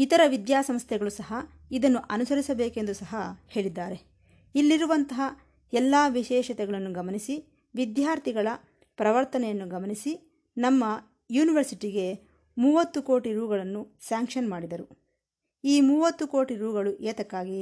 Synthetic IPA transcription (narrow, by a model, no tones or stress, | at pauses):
it̪ɐɾɐʋid̪jaːsɐmst̪jɛɡɐɭusɐɦɐ | id̪ɐnːuʔɐnusɐɾisɐbeːke̞nd̪usɐɦɐhe̞ːɭid̪ːaːɾe̞ | ilːiɾuʋɐnt̪ɐɦɐ | ɛlːaːʋiʃɛːʃɐt̪ɛɡɐɭɐnːuɡɐmɐnisi | ʋid̪jaːɾt̪iɡɐɭɐ | pɾɐʋɐɾt̪ɐnɛjɐnːuɡɐmɐnisi | nɐmːɐ | juːniʋɐɾsiʈiɡe̞ | muːʋɐt̪ːuko̞ːʈiɾuːɡɐɭɐnːusaːŋkʂɐnmaːɽid̪ɐɾu | iːmuːʋɐt̪ːuko̞ːʈiɾuːɡɐɭuʔeːt̪ɐkːaːɡi